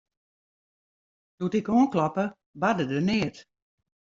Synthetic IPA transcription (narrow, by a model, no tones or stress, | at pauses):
d̥utɪkoənklɔpə | badədənɪət